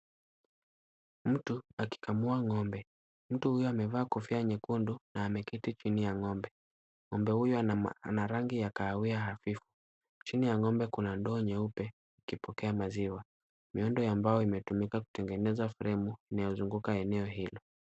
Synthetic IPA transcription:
m̩tuaki̥kʰamuaŋɔmbɛ | m̩tuhujɔamɛvaːkufiaɲɛkundunaːmɛkitit͡ʃinijaŋɔmbɛ | ŋɔmbɛhujɔanaɾaŋɡijakaːwiahafifu̥ | t͡ʃinijaŋɔmbɛkunandɔːɲɛupɛ | ikipɔkɛamaziwa | miɔndɔjambajɔimɛtumikaku̥tɛŋɡɛnɛzafuɾɛmuinajɔzuŋɡukaɛnɛɔɦilɔ

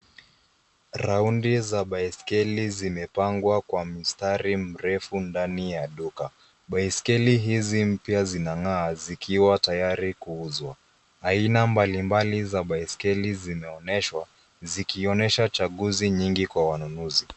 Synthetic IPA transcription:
ɾaundizaɓaiskɛlizimɛpaŋɡwakwamistaɾim̩ɾɛfundanijaɗuka | ɓaiskɛliɦizim̩pjazinaŋaːzikʰiwatajaɾikuuzwa | ainambalimbalizaɓaiskɛlizimɛɔnɛʃwa | zikiɔnɛʃat͡ʃaɠuziɲiŋɡikwawanunuzi

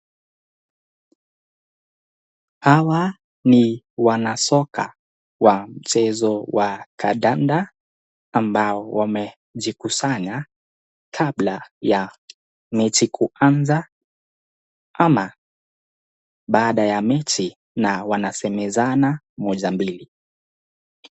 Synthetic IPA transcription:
hawa | ni | wanasɔka | wam̩t͡ʃɛzɔwakʰaɗandaː | mbaɔwamɛ | ʄikusaɲa | kʰaɓlaja | mɛtikʰuanza | ama | ɓaːɗajamɛti | nawanasɛmɛzana | mɔʄambili

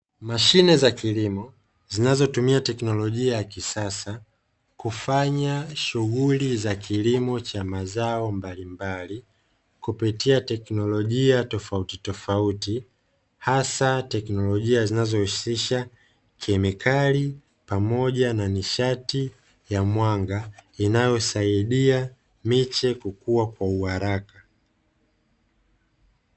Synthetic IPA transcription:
maʃinɛzakilimɔ | zinazɔtumiatɛknɔlɔʄiajakisasa | kufaɲaʃuɣulizakʰilimɔt͡ʃamazaɔmbalimbali | kupitiatɛknɔlɔʄiatɔfautitɔfauti | hasatɛknɔlɔʄiazinazɔhusiʃa | kiɛmɛkʰali | pamɔʄananiʃati | jamwaŋɡainajɔsaiɗia | mit͡ʃɛkukuwakwauhaɾaka

